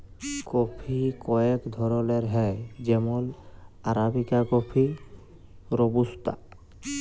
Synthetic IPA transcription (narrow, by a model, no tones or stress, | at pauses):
kopʰikɔekd̪ʱɔɾoleɾɦɛd͡ʑɛmolaɾabikakopʰi | ɾobust̪a̰